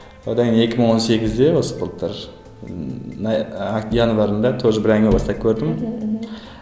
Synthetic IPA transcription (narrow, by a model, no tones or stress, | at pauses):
od̪ɑjnjekʲʰɪmɪŋwo̞nse̞ɡʲɪzd̪ewosə̥pblˠp̚t̪ʰəɾ | najɑnvɑɾənd̪ɑt̪ʰoʒəbɪɾæŋʲebɑst̪ɑp̚kʲʰɵɾd̪ɪm